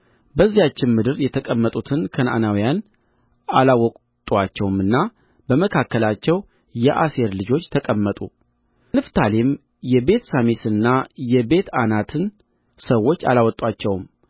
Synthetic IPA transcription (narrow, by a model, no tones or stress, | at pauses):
bəzːijat͡ʃːɪnmɨd̪ɨɾjɛt̪ʰəkʼəmːət̪ʼut̪ʰɨnkʰəna̰nawijan | alawɔkʼ | t̪ʼuat͡ʃːɛwmɨnːa | bəməkʰakːəlat͡ʃːɛw | jɛʔase̞ɾlɨd͡ʒo̞t͡ʃːt̪ʰəkʼəmːət̪ʼṵ | nɨft̪ʰalem | jɛbe̞t̪samesɨnːajɛbe̞t̪anat̪ʰɨn | səwːo̞t͡ʃːa̰lawɔt̪ʼwat͡ʃːɛwm